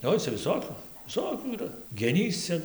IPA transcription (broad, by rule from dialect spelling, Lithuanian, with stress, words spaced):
ˈoːɪ t͡sʲɛ ʋʲɪˈsoːkʲʊ ʋʲɪˈsoːkʲuː iːˈrɐ ɡʲɛˈnʲiːs ˈt͡sʲɛ